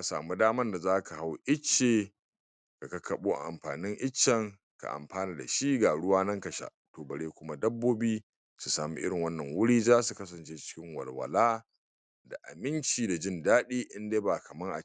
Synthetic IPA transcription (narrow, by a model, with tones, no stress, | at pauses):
ka˨sa̰ː˨mu˦daː˦mɐ˦nda˨zaː˦ka˨ha˦wʔɪ˦t͡ʃːeː˨ | ka˨kɐ˦kʰɐ˨ɓuː˦ʔa̰˨ʔa̰˨mɸa̰ː˨nɪ˦ŋʔɪ˦t͡ʃːɐ˨ŋ | ka̰˨ʔa̰˨mɸaː˦ni˨da̰˨ʃi˦ɡa˨ɽʊ˦waː˦nɐ˦ŋkɐ˨ʃa̰˦ | toː˨bɐ˨ɽeː˦kʷʊ˦ma˦dɐ˦bːoː˦biː˦ | su˨saː˨mḭ˦ʔɪ̰˦ɽɪ˨ŋwɐ˦nːɐ˨ŋwʊ˦ɽiː˦zaː˦su˨kɐ˦sɐ˨nt͡ʃeː˦t͡ʃɪ̥˦kʲɪ˦ŋwɐ̰˨lwɐ̰˨laː˦ | da̰˨ʔa̰˨mɪ˦nt͡ʃiː˨da˨d͡ʒɪ˦ndaː˦ɗiː˦ʔɪ˦ndeː˦ba˨kɐ˨mɐ˦ŋʔa̰˨